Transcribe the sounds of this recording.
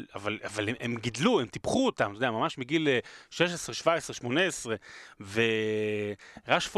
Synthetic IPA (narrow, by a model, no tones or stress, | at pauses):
avalavaleʔemɡid̪luemt̪ipχuot̪amt̪odeamamaʃmiɡilʃeʃ̬esʁeʃvaesʁeʃmo̞neesʁeve | ʁaʃf